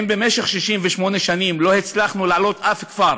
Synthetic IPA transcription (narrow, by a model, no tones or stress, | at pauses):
mbemeʃeχʃiʃimveʃmo̞neʃanimlo̞het͡slaχnulaʕlo̞t̪ʔafkfaɾ